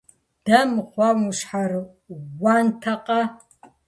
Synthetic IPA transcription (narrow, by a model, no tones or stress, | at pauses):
d̥ɐmχʷawuʃħar | wantʰɐqʼɐ